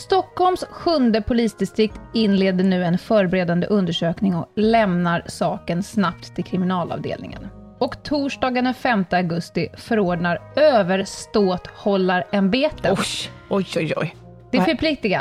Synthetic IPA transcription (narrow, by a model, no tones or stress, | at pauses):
st̪ɔkhɔlmsɧɵnd̪əpʰʊliːsd̪ɪst̪ɾɪk̚t̪ɪnleːd̪əɳʉ̟ːɛnfœːɾbɛɾeːd̪and̪ə̰ʔɵnd̪əʂøːknɪŋɔlɛmnaɾsɑːkənsnap̚t̪t̪ʰːɪlkʰɾɪmɪnɑːlɑ̰vd̪ḛːlnɪ̰ŋə̰n | ɔkt̪ʰuːʂɖɑːɡənəfɛmt̪əaɡɵst̪ɪfœɾoːɖɳaɾøːvəɾst̪oːt̪hɔlːaɾɛmbeːt̪əɔjɔjɔj | d̪̥ɛfəpʰlɪk̚t̪ɪɡa